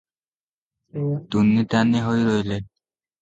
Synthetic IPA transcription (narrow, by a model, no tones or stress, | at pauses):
t̪unːit̪anːiɦojɾojle